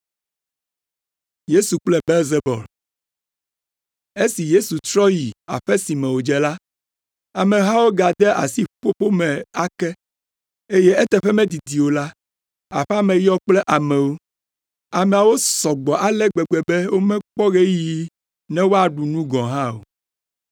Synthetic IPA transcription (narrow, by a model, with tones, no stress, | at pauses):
je˦su˨k͡plɛ˦be˦lze˦bɔ̰˨l | e˦si˨je˦su˨t̪ɾɔ˦ji˨a̰˨ɸɛ˦si˨mɛ̃˨wo˨d͡ʒɛ˨la˦ | a˨mɛ̃˨ɦã˦wo˦ɡa˨d̪ɛ˦ʔa̰˨si˦ɸo˦ɸo˦mɛ̃˨a˨kɛ˦ | e˦jɛ˦ɛ˦t̪ɛ˦ɸɛ˦mɛ̃˦d̪i˨d̪i˨wo˨la˦ | a̰˨ɸɛ˦a˦mɛ̃˨ji˦ɔ˦k͡plɛ˦ʔa˨mɛ̃˨wo˦ | a˨mɛ̃˨a˨wo˦sɔ˨ɡ͡bɔ˨ʔa˦lɛ˦ɡ͡bɛ˨ɡ͡bɛ˨bɛ˦wo˦mɛ̃˦k͡pɔ˦ɣe˦ji˦ | nɛ̃˦wo˦a˨ɖu˨nũ˦ɡɔ̃˨ɦã˦o̰˨